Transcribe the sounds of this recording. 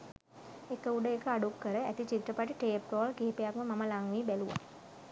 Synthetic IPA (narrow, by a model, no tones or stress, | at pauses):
ekəuɖəekəaɖukːəɾəæt̪it͡ʃit̪ɾəpaʈiʈeːp̚ɾoːlkeɦepejakməmaməlaŋʋiːbæluʋa̰